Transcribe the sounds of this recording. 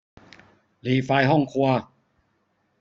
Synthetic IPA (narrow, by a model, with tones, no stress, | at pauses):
liː˨˩faː˧jɦɔ˥˩ŋkʰu˧ɐ